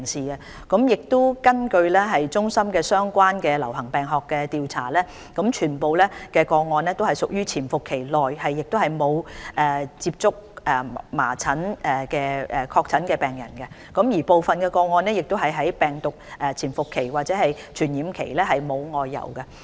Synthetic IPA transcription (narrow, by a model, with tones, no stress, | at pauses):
ŋsiː˨˩ɐ˧ | kɔ˨˥mjɪ˨k̚t̪ʊ˥kɐ˥nkɵ˧ɥlɛː˥ɦɐ˨jt͡sʊ˥ŋsɐ˥mkɛː˧sœː˥ŋkʷaː˥nkɛː˧lɐ˨˩whɐ˨˩ŋpɛː˨ŋɦɔː˨kːɛː˧t̪iː˨wt͡sʰa̰ː˨˩lɛː˥ | kɐ˨˥mt͡ʃʰyː˨˩npo˨wlɛː˥kɛː˧kɔː˧ŋɔː˧nlɛː˥t̪o˥whɐ˨jsʊ˨k̚jyː˥t͡sʰiː˨˩nfʊ˨kʰːe˨˩jlɔː˨jhɐ˨jːɪ˨k̚t̪whɐ˨˩jmo˨˧wɛː˨˩t͡siː˧p̚t͡sʊ˥k̚ɛː˨˩ma̰ː˨˩t͡sʰɐ˨˥nʔɛː˨˩kɛː˧ɛ˨˩kʰɔː˧k̚t͡sʰɐ˨˥nkɛː˧pɛː˨ŋjɐ̰˨˩nkɛ˧ | kʊ˨˥mjiː˨˩po˨wfɐ˨nkɛː˧kɔː˧ŋɔː˧nɛː˥jɪ˨k̚t̪o˥wɦɐ˨jɦɐ˨˥jpɛː˨ŋt̪ʊ˨k̚ʔɛː˨˩t͡sʰiː˨˩nfʊ˨kʰːe˨˩jwaː˨t̚t͡sɛː˨˦˥hɐ˨j | t͡ʃʰyː˨˩njiː˨˧mkʰḛ˨˩jlɛː˥ɦɐ˨jmo˨˧wŋɔː˨jːɐ̰˨˩wkɛ˧